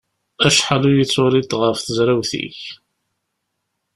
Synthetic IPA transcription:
æʃħalujət͡sːʊɾit̪ʁəfθəzɾæwθḭç

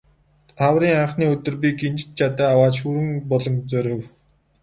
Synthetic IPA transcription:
awriːŋaɴχniːɵt̪ɵ̆rpʲiɡent͡ɕt̪t͡ɕʰat̪aːawaːt͡ɕʃuɾɘ̆ŋpɔɮɞ̆ŋt͡sœɾʲɪ̆w

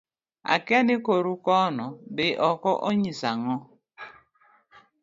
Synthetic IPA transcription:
a̰kɛnɪkoɾukɔnɔbɪʔɔkɔʔoɲisaŋɔ

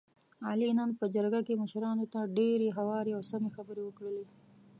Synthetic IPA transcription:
ɑlinənpəd͡ʒaɾɡakeməʃɾɑnot̪aɖeɾeɦawɑɾeawsamexabəɾewəkɽəle

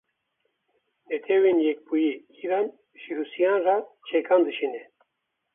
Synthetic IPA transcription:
lɛt̪ʰɛwenjɛk̚bujiː | iɾɑn | ʃiɾusijɑːnrat͡ʃʰɛkʰɑːnd̪ɨʃinɛ

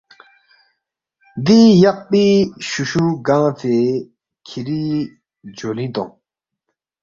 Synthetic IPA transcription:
d̪ijaʔ̚piːɕuɕuɡaŋt̪ʰe | kʰiɾiː | d͡ʑolint̪o̰ŋ

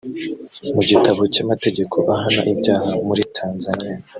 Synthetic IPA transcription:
muɟitaβo̞camate̞ɟe̞kʰo̞ʔaɦana̰ʔibɟaːhamuɾitʰaːnzanija

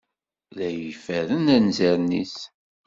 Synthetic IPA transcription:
læjəfæɾənænzæɾnis

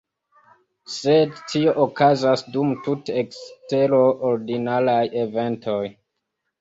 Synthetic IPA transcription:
se̞dtʰio̞ʔokazasdumtutekste̞ɾo̞ʔoɾdinalaje̞ve̞ntʰo̞j

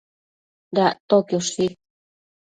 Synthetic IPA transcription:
d̪at̪okjoʃi

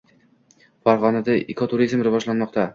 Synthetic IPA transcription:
faɾʁɒnad̪aʔekʰot̪ʰʊɾizmɾɪvɒd͡ʒlanmɒqt̪ʰa

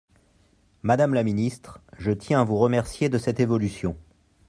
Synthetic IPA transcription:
mad̪amlaminist̪χʒət̪jɛ̃avuʁəmɛʁsjed̪əsɛt̪evɔlysjɔ̃

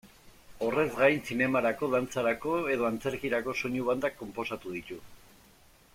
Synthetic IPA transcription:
o̞re̞zɡajnsine̞maɾako̞ðant͡saɾako̞e̞ðo̞ant͡se̞ɾkiɾako̞so̞ɲuβ̞and̪akːo̞mpo̞sat̪uð̞it̪u

